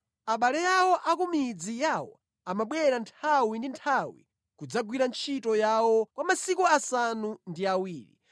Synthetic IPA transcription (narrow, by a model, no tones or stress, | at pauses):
aɓalɛjawɔʔakumid͡zijawɔ̰ | amaɓwɛɾantʰawindintʰawḭ | kud͡zaɡwiɾant͡ʃʰitɔjawɔkwamasikuasanundiawiːɾḭ